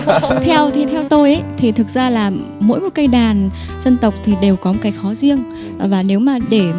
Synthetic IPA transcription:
t̪ʰɛ˧wt̪ʰi˨˩t̪ʰɛ˧wt̪o˧jʔə˨˦jt̪ʰi˨˩t̪ʰɨ˨˩k̚zaː˧laː˨˩ | mo̰˧˥jmo˨˩t̚kə˧jɗaː˨˩n | zə˧nt̪ə˨˩wk͡p̚t̪ʰi˨˩ɗe˨˩wkɔ˨˦mo˨˩ka˨˦k̚xɔ˨˦zi˧əŋ | vaː˨˩ne˨˦wmaː˨˩ɗe˧˩

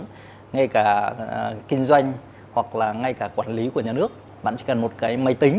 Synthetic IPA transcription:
ŋa˧jkaː˧˩ | kï˧ŋ̟zwa˧jŋ̟ | hwa˨˩k̚laː˨˩ŋa˧jkaː˧˩kwaː˧˩nli˨˦ku˧˩əɲaː˨˩nɨ˦˥ək̚ | ɓa̰ː˧˨nt͡ɕi˧˦kə˨˩nmo˨˩t̚kaː˨˦jma˨˧˦jt̪ï˨˦ŋ̟

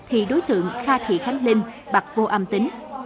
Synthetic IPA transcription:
t̪ʰḭ˧˨ɗo˨˦jt̪ɨ̰˧˨əŋxaː˧t̪ʰḭ˧˨xa˨˦jŋ̟lï˧ŋ | ɓa˨˩k̚vo˧ʔaː˧mt̪ï˨˦ŋ

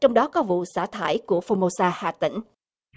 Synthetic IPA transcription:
t͡ɕɔ˧wŋ͡mɗɔ˨˦kɔ˨˦vṵ˧˨sa̰ː˧˩t̪ʰaː˧˩jku˧˩əfo˧mo˧saː˧ha̰ː˧˨t̪ï˧˩ŋ̟

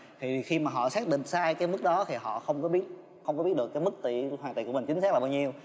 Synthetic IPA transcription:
t̪ʰi˨˩˨xi˧maː˨˩ɦɔ̰˧˨saː˦˥k̚ɗḭ̈˧˨ŋ̟saː˧jkaː˨˦jmɨ˦˥k̚ɗɔ˨˦t̪ʰi˨˩ɦɔ̰˧˨xə˧wŋ͡mkɔ˨˦ɓi˦˥ət̚ | xə˧wŋ͡mkɔ˨˦ɓi˦˥ət̚ɗəkːaː˨˦jmɨ˦˥k̚t̪ḭ˧˨hwaː˨˩ŋt̪ḭ˧˨ku˧˩əm˨˩ŋ̟t͡ɕi̟˨˦saː˦˥k̚lːa˨˩ɓaː˧wɲi˧əw

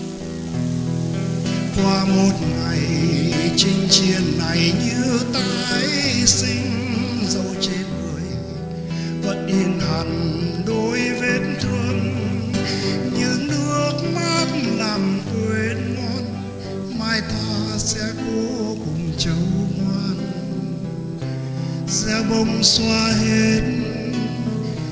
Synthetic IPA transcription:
kwaː˧mo˨˩t̚ŋa˨˩j | t͡ɕï˧ŋ̟t͡ɕi˨˩ənːa˨˩jɲɨ˧t̪ə˧˩ŋ̚ʔa˧˦jsï˧ŋ̟ | zə˧wt͡ɕe˧nmə˨˩əj | və̰˧˥nɗi˧˩ənha˨˩ŋɗo˨˧˦jve˧nt̪ʰɨ˧ŋ | ɲɨ˧˥nɨ˧˥ək̚maː˦˥k̚laː˨˩mkwe˨˦nŋɔ˧n | maː˧jt̪ʰa˧sɛ˧ko˧˦kʊ˨˩ŋ͡mt͡ɕə˨˦wŋwaː˧n | zɛ˧ɓə˧ŋ͡mswaː˧ɦe˧˦t̚

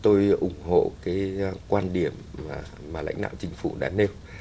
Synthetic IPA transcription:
t̪o˧jʔʊ˨˧˩ŋ͡mho̰˧˨kaː˨˦jkwaː˧nɗi˧˩əmː˨˩ | maː˨˩la̰˧˥jŋ̟ɗa̰ː˧˨wt͡ɕï˨˦ŋ̟fu˧˩ɗa̰ː˧˦ne˧w

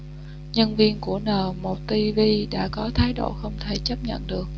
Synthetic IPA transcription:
ɲə˧nvi˧ənku˧˩ənəː˨˩mo˨˩t̚t̪i˧vi˧ɗa̰ː˧˥kɔ˨˦t̪ʰaː˨˦jɗo̰˧˩xə˧wŋ͡mt̪ʰe˧˩t͡ɕə˦˥p̚ɲə̰˧˨nɗɨ˨˩ək̚

